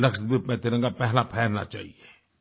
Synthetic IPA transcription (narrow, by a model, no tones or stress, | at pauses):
lɐksət̪̚bimɛ̃t̪ɪɾə̃ŋɡapɛɦlapʰɛːlna̰t͡ʃa̰ːɦieː